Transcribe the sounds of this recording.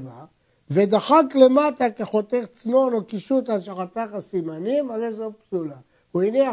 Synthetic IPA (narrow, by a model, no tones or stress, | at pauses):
va | ved̪aχakle̞mat̪akeχo̞t̪eʁt͡smo̞nokiʃut̪alʃaχat̪aχasimanimalezopsula | uinia